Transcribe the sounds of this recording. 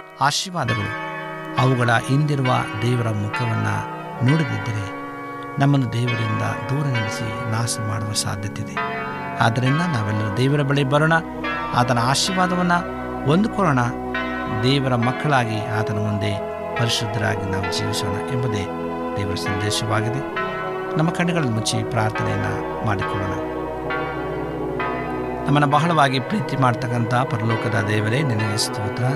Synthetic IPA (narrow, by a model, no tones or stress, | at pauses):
aːʃiːʋaːd̪ɐɡɐɭu | ɐʋuɡɐɭɐʔind̪iɾuʋɐ̰d̪ɛːʋɐɾɐmukʰɐʋɐnːɐ̰ | noːɽid̪id̪ːɐɾe̞ | nɐmːɐnːud̪ɛːʋɐɾind̪ɐ̰d̪uːɾɐnɐɽisḭnaːsɐma̰ːɽuʋɐsa̰ːd̪ʱjɐt̪id̪e | a̰ːd̪ɐɾinːɐnaːʋɛlːɐɾud̪ɛːʋɐɾɐbɐɭebɐɾoːɳɐ | a̰ːt̪ɐnɐaːʃiːʋaːd̪ɐʋɐnːɐ | ond̪ukɔːɭoːɳɐ | d̪ɛːʋɐɾɐmɐkːɐɭaːɡiaːt̪ɐnɐmund̪e̞ː | pɐɾiʃɾud̪ʱːɐɾa̰ːɡinaːʋud͡ʒiːʋisoːnɐʔɛmbɐd̪eː | d̪ɛːʋɐɾɐsɐnd̪ɛːʃɐʋaːɡid̪e | nɐmːɐkɐɳːɛɡɐɭɐlːimut͡ʃːipɾaːɾt̪ʰɐnɛ̰jɐ̰nːɐ̰ | maːɽikɔɭːoːɳɐ | nɐmːɐnːɐbɐɦɐɭɐʋaːɡipɾiːt̪imaːɽt̪ɐkːɐnt̪ɐpɐɾɐlɔːkɐd̪ɐd̪ɛːʋɐɾe̞ːniɾnːɐjisu̥t̪ːiʋut̪ːɐɾaː